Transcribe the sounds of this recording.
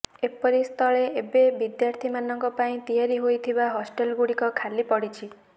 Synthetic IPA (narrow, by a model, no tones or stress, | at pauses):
epɔɾist̪ʰɔɭeebebid̪jaɾt̪ʰimanɔŋkɔpaĩt̪iɦaɾiɦojt̪ʰibaɦɔsʈelɡuɽikɔkʰalipɔɽit͡ʃʰi